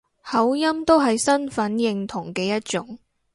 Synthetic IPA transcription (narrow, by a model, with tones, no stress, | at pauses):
hɐ˨˥wjɐ˥mt̪o˥wɦɐ˨jsɐ˥nfɐ˨˥njɪ˨ŋt̪ʰʊ˨˩ŋkɛː˧jɐ˥t̚t͡ʃʊ˨˥ŋ